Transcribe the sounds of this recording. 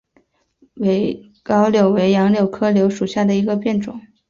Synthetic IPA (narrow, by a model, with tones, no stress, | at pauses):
we˧˥ɪ | kɑ˥ʊljo˨˩ʊwe˧˥ɪjɑ˧˥ŋljo˨˩ʊkʰɤ˥ljo˧˥ʊʂu˨˩ɕja˥˩d̪ə˩i˧˥ɡə˧pjɛ˥˩nʈ͡ʂʊ̰˨˩˦ŋ